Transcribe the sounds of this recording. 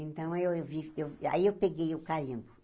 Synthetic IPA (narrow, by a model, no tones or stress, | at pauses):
ẽnt̪ɐ̃w̃ewewviewa̰iewpeɡejʊkalĩmbʊ